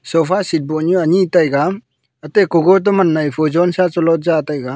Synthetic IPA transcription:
sɔpʰasit̚bɔnuaɲitajɡa | atekɔɡɔɾt̬ɔmanːajpʰɔd͡ʒɔnsat͡ʃɔlɔt̚zatajɡa

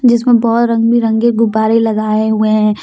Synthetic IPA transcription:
d͡ʒɪs̬mẽbɔːt̪ɾɐ̃ŋɡbʱiɾɐ̃ŋɡeɡʊbaːɾelɐɡaːeɦueɦɛ̃

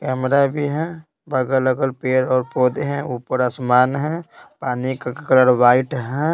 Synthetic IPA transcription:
kɛːmɾabʱiɦɛ̃ | bəɡələɡəlpeːɾɔːɾpoːd̪ɦɛ̃uːpəɾaːsmaːnɦɛ̃paːnikakkələɾʋaːɪʈɦɛ̃

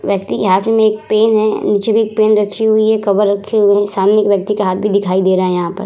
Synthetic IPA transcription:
ʋjɐk̚t̪ikeɦaːt̪ʰmẽeːk̚peːnɦɛniːt͡ʃebʱieːk̚peːnɾɐkʰːiɦʊiɦɛkɐbəɾːɐkʰːeɦuiɦɛsaːmneeːkʋjɐk̚t̪ikeɦaːt̪̚ʰbʱid̪ɪkʰaːid̪eːɾaɦaɦɛjɐɦãpɐ̰ɾ

